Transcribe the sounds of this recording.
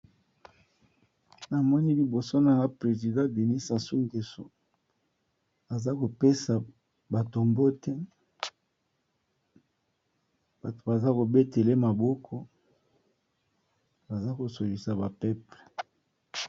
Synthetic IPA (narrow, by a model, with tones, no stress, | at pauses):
na˨mɔ˦ni˦li˨bo˨so˦na˨ŋa˦pʁe˨zi˨dã˦de˨ni˦sa˨su˦ŋɡe˨so˨ | a˨za˦ko˨pe˦sa˨ | ba˨to˨mbo˦tɛ˦ | b̥a˨to̥˨ba˨za˦ko˨be˦te˨le˦ma˨bɔ˦kʰɔ˦ | ba˨za˦ko˨so˨li˨sa˨ba˨pɛ˦ple˨